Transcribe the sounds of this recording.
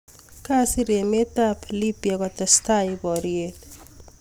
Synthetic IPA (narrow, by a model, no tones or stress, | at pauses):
kasiɾemet̪apʰlipjakɔt̪ɔst̪ajbɔɾiet̪